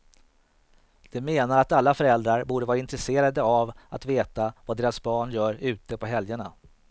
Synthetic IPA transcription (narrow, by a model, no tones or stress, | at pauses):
d̪̥ɛmeːnaɾat̪alːafœɾɛld̪ɾaɾbuːɖəvɑːɾaɪnt̪ɾɛseːɾad̪əavat̪veːt̪avad̪eːɾasbɑːɳjœːɾʉ̟ːt̪əpʰɔɦɛljəɳa